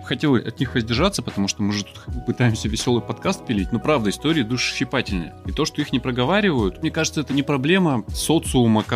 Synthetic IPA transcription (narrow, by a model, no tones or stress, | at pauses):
xɐtʲelˠəʔɐ̰t̪nʲixvəzʲdʲɪrʐat̪sːəpət̪ɐmuʂt̪omɨʐɨt̪ut̪pɨt̪ajɪmsʲəvʲɪsʲo̞lˠɨjpɐt̪kast̪̚pʲɪlʲitʲno̞pɾavd̪əɪst̪oɾʲɪjəd̪uʂɨ̥ɕːɪpatʲɪlʲnə̰jəɪt̪o̞ʂt̪o̞ixnʲɪpɾəɡɐvaɾʲɪvəjʊt̪mnʲekaʐɨt̪səɛt̪ənʲɪpɾɐblʲe̞məso̞t̪sɨumək